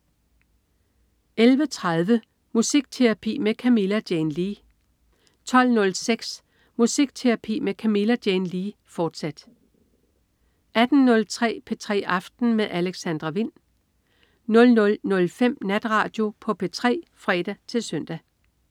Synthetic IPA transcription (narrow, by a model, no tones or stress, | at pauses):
elʋət͡sʰʁaðˠʋə | musiɡ̥̚t͡sʰe̝ʁɑpʰḭːmekʰæmilæd̥jenliː | t͡sʰɒ̽l̰nɔ̽lseɡ̥s | musiɡ̥t͡sʰe̝ʁɑpʰḭːmekʰæmilæd̥jenliːfɒːd̥sæd̥ | ʔæd̥n̩nɔ̽lt͡sʰʁɛ̰ːpʰet͡sʰʁɛ̰ːʔɑ̈fd̥n̩meðˠʔæleɡ̥sænd̥ʁɐʋin̰ | nɔ̽lnɔ̽lnɔ̽lfem̰næd̥ʁɑ̈ːd̥jo̝pʰɒ̽pʰe̝t͡sʰʁɛ̰ːfʁɛːɾ̥æt͡sʰe̝lsøn̰d̥æ